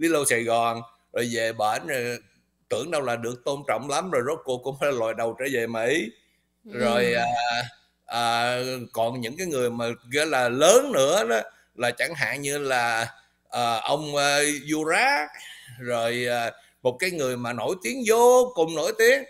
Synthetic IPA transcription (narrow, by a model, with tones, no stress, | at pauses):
li˨˦lo˧wsaː˧˩jɣɔ˨˩n | zo˨˩jve˨˩ɓaː˧˩n˨˩ | t̪ɨ˧˩əŋɗə˧wlaː˨˩ɗɨ˨˩ək̚t̪o˧nt͡ɕɔ̰˧˨wŋ͡mla˨˦mzo˨˩jzo˦˥t̚ko˧kʊ̰˧˥ŋ͡mfaː˧˦la˨˩lɔ˨˩jɗə˨˩wt͡ɕəː˧˦ve˨˩mḭ˧˨˦ | zo˨˩jʔəː˨˩ | ʔəː˨˩kɔ˨˩nɲɨ̰˧˥ŋkaː˨˦jŋɨ˨˩əjmaː˨˩ɣḭ˧˥laː˨˩ləː˨˦nːɨ̰˧˥əɗɔ˨˦ | laː˨˩t͡ɕa˧˩ŋɦa̰ː˧˨ŋɲɨ˧laː˨˩ | ʔəː˨˩ʔə˧wŋ͡mʔːzu˧zaː˦˥k̚zo˨˩jʔaː˨˩ | mo˨˩t̚kaː˨˦jŋɨ˨˩əjmaː˨˩no˧˥jt̪i˨˦əŋzo˨˧˦kʊ˧˨˩ŋ͡mno˧˥˦jt̪i˨˦əŋ